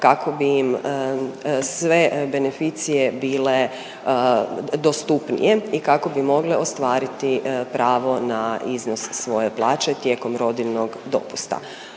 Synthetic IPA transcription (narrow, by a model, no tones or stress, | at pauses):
kakʰo̞biːm | sʋe̞be̞ne̞fit̪sije̞biːle̞ | d̪ost̪upnḭje̞ikako̞bimo̞ɡleost̪ʋaːɾit̪ipɾaːʋo̞naizno̞sːʋo̞je̞plˠaːt͡ʃe̞t̪je̞ko̞mɾo̞d̪ilnoɡd̪o̞̰pu̥st̪a̰